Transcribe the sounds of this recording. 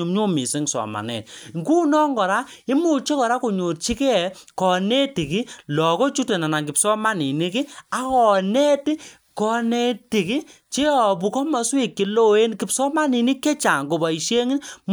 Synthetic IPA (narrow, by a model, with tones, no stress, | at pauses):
u˨mɲo˦mi˨si˦ŋsɔ̰˨ma̰˨nɛ̰˨t̚ŋɡu˦nɔ˦ŋɡɔ˨ɾa˦ | i˦mu˨t͡ʃe˦kɔ˨ɾa˦ko˨ɲo˨tt͡ʃi˦kɛ˦˨kɔ˨ne˦ti˨ki˦lɔ˨kɔ˦t͡ʃu˦te˨na˨na˨ŋkɪ˨psɔ˦ma˦ni˨ni˦ki˦a˨kɔ˨ne˦ti˦ | kɔ˧ne˦ti˨ki˦t͡ʃe˦ɔ˨bu˨kɔ˦ma˨swi˨kːi˨lo˦e˦nki˨psɔ˦ma˦ni˨ni˦ke˦t͡ʃa˨ŋɡo˨ba˨i˨ʃe˦ŋɪ˦nm